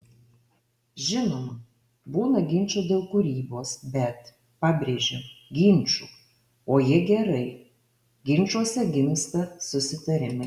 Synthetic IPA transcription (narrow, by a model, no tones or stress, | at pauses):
ʒʲɪnoːm | buːnɐɡʲɪnʲt͡ʃʲoːd̪ʲeːlˠkʊɾʲiːboːsbʲɛt̪ | pɑːbʲɾʲeːʒʲeɡʲɪnʲˑt͡ʃʲṵː | oːjɪɛɡʲɛɾɐɪ | ɡʲɪnʲt͡ʃuɔsʲɛɡʲɪmst̪ɐsʊsʲɪt̪ɐɾʲɪmʲɪ